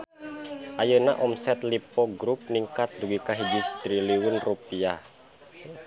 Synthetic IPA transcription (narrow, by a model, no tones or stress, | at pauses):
ʔajəna̰ʔɔmsɛt̪lipɔɡɾup̚niŋkat̪̚d̪uɡikaɦid͡ʒist̪ɾiliwunrupia